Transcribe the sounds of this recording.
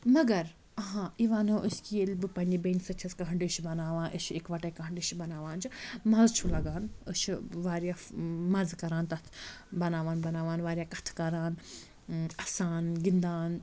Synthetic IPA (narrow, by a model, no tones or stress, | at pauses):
mɐɡɐɾ | ɐɦãːiʋaːnoːʔəskielbɨpɐnibensɐt͡ʃʰɐskɐɦɐɳɖiʃibɐnaːʋãːnʔɨʃikʋɐʈeːkɐɦɐɳɖiʃbɐnaːʋaːnt͡ʃʰimɐzt͡ʃʰulɐɡaːnəʃʰʋaːɾjaːmɐzkɐɾãːnt̪ɐt̪ʰbɐnaːʋaːnbɐnaːʋaːnʋaːɾʲijaːkɐt̪ʰkɐɾaːn | ɐsaːnɡind̪aːn